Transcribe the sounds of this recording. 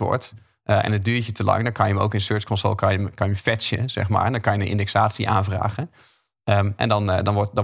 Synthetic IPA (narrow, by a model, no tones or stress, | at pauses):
ɔ̰ɹt | ʔʔɛ̰nəd̚dyːɹt͡ʃətəlɑ̰ŋdɔnkɑnjəəmo̰wkɪnsøɹt͡ʃkɔnso̰ːlˠkɑnjəmkɑnjəfɛsə̰z̥ɛ̰χma̰ːdɔnkɑnjəənʔɪ̰ndɛksaːtsiʔaːnvra̰ːχən | əʔɛ̰ndɑndɑnʋɔtdɑn